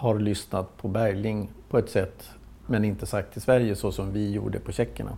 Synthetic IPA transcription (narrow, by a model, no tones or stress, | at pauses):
haɾlʏsnat̪pʰɔbæɾlɪŋpʰɔɛt̪sɛt̪ː | mɛnɪnt̪əsakt̪ʰːɪlsvæɾjəsɔsɔmvɪjṵːɖə̰pʰɔɕɛkːəɳa̰